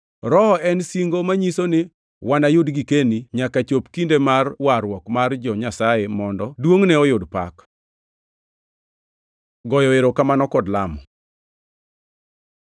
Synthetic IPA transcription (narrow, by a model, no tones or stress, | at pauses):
ɾɔɛnsiŋɡomaɲisonɪ | wanajʊdɡikeniɲakat͡ʃopkindemarwaɾwɔkmard͡ʒɔɲasajemɔndɔdwoŋnɛɔjʊdpa̰k | ɡɔjɔeɾokamanɔkɔdlamɔ